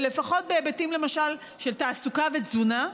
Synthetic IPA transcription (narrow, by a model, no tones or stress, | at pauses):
le̞faχo̞t̚beːbatimle̞maʃal | ʃeltaːsukavet͡suna